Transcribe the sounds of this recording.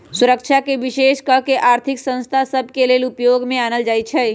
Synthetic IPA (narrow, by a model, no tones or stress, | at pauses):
suɾəkt͡ʃʰakeʋiʃeːʃkəkeʔaːɾt̪ʰɪksə̃ñst̪ʰasəbʱkeleːlʊpjoɡmẽanəld͡ʒaːjt͡ʃʰɛ